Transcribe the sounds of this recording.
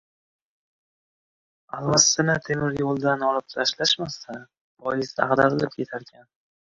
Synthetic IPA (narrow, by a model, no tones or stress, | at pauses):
alːasːɪnɪt̪ʰe̞mɪɾjolˠd̪anɒlˠɪp̚t̪ʰaʃlaʃmasa | vɒjɪsd̪a̰qd̪aɾɪlɪp̚kʲʰe̞t̪ʰaɾkʲʰan